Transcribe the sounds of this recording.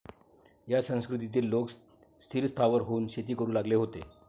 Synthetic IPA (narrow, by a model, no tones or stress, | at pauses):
jasə̃w̃skɾut̪̬it̪iːlːok | st̪ʰiːɾst̪ʰaʋəɾɦouːnɕet̪iːkəɾuːlaɡleɦot̪ḛ